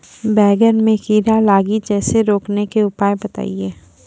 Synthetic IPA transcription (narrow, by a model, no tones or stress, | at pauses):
bɛːɡəɾmẽkiːɾalaːɡid͡ʒɛːseɾoːknekeʊpaːjebɐt̪a̰ːieː